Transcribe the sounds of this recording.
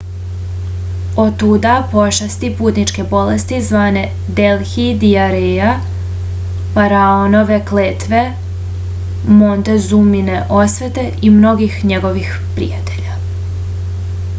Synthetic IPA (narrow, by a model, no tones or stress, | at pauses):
ot̪ud̪apo̞ʃast̪ipuːt̪nit͡ʃke̞bo̞lest̪izʋaːne̞ | d̪elxid̪iaɾeja | faɾaono̞ʋe̞kleːt̪ʋe̞ | mo̞nt̪e̞zumineʔo̞sʋet̪e̞ʔimno̞ɡixɲe̞ɡo̞ʋix | pɾḭjat̪e̞ʎa